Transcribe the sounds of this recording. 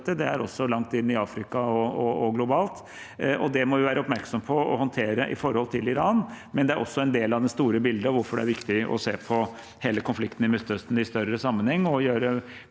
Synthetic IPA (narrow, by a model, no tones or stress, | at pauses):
t̪əd̪ɛæɾɔsːɔlɑŋt̪ɪnːɪɑːfɾɪkɑɔɔɔɡlʊbɑːlt̪ | ʔɔd̪ɛmɔʋɪʋæːɾəɔpmæɾksɔmpʰɔɔ̰hɔnt̪ʰeːɾəʔɪ̰fɔɾhɔlt̪ʰɪlɪɾɑːnmɛnd̪ɛæɾʔɔsːɔɛnd̪eːlɑʋd̪ɛnst̪uːɾəbɪld̪əɔʋʊɾfɔɖɛ̰æɾʋɪkt̪ɪɔ̰seːpʰɔ | heːləkʰʊnflɪkt̪n̩ɪmʉst̪œst̪n̩ɪst̪œɾəsɑmːənhɛŋːɔjøːɾə